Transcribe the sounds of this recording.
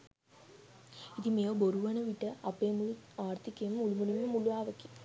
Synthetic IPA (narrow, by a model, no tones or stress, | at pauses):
iðimejoːboɾuʋɐnɐʋiʈːɐɐpːeːmuɭuaːrt̪ʰikʲːɐmuɭumuɭimɐmuɭuaːʋɐkʲːi̥